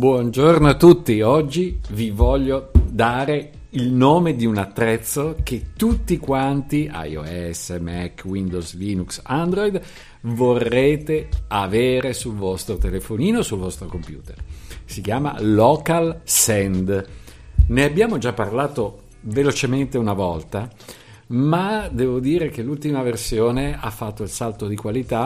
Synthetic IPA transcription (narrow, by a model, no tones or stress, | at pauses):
bwɔnd͡ʒornoat̪ːut̪ːiɔd͡ʒːivivɔʎːod̪aːɾe | ilnoːmed̪iunat̪ːɾɛt̪sːoket̪ːut̪ːikwant̪ia̰jo̰ɛsːemɛkːwind̪ozliːnuksand̪ɾɔjd̪ | vorːeːt̪eaveːɾesulvɔst̪ɾot̪elefoniːnosulvɔst̪ɾokompjṵːt̪ḛrsik̟jaːma̰ːɔːkalsɛnd̪ | neabjaːmod͡ʒapːarlaːt̪o | velot͡ʃement̪eunavɔlt̪a | mad̪ɛːvod̪iːɾek̟elːult̪imaversjoːneafːat̪ːoilsalt̪od̪ikwalit̪a